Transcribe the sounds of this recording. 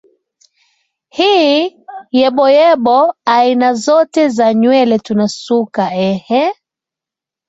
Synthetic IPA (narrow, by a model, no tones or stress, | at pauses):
hiː | jɛɓɔjɛɓɔainazɔtɛzaɲwɛlɛtunasukaɛhɛ